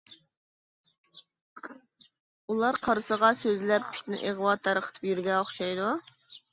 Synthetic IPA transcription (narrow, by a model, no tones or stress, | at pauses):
ulˠɑɾqʰɑɾɨsəʁɑsøzlɛppːʰi̥ʃt̪ɪnɪ̰ʔeʁəwɑt̪ʰːɑɾəqʰə̥t̪ʰɨ̥pjyɾɡʲɛoχʃɑjd̪u